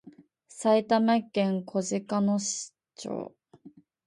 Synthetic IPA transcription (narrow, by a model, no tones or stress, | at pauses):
sait̪amakːẽŋkʰo̞ʑɨkanoɕi̥ | t͡ɕo̰ː